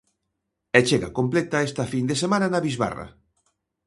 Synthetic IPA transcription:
ɛt͡ʃeɣa̰komplet̪aest̪ɐfind̪esemãnanaβizβa̰ra̰

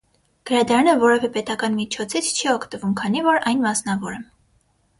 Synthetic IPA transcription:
ɡ̥əɾɑd̪ɑɾɑnəvɔɾɛvɛpɛt̪ɑkɑnmit͡ʃʰɔt͡sʰit͡sʰt͡ʃʰiɔkʰt̪əvumkʰɑnivɔɾɑjnmɑsnɑvɔɾɛ

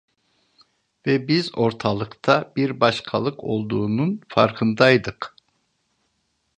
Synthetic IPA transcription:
vɛbizo̞ɾt̪ʰalˠɯkt̪ʰabiɾbaʃkʰalˠɯkʰo̞lˠd̪uːnunfa̰ɾkʰɯnd̪ajd̪ɯq

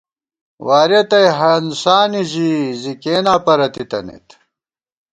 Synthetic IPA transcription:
waːɾet̪ɐjɦɐnsaːniʑizikeːnaːpɐɾɐt̪it̪ɐ̰nḛt̪

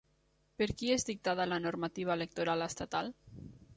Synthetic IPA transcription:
peɾkiezd̪ik̚t̪aðalanoɾmat̪iβ̞aelek̚t̪oɾaləst̪at̪al

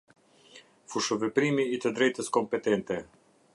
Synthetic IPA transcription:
fuʃovepɾimiːt̪əd̪ɾɛjt̪əskompet̪ent̪e

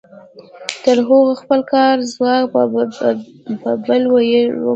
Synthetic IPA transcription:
t̪əɾɦoɣoxpəlkɑɾzwɑk | pəbəlwaj̰

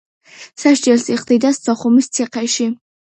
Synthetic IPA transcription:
saʃd͡ʒɛlsiqʼd̪id̪ast̪sʰʼɔχumist̪sʰɛqʰɛʃi

